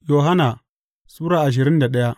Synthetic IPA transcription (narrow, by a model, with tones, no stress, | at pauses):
jo˨ɦa˦na˨ | suː˦ɾa˦a˨ʒ̬i˨ɾi˦nda˨ɗa˦ja˦